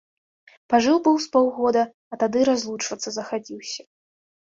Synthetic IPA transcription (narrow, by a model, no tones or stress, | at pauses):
paʐɨwbɨwspɔwɣɔd̪ɐ | ɐt̪ad̪ɨɾazlˠut͡ʂvɐt̪sːɐzɐxabʲiwsʲɐ̥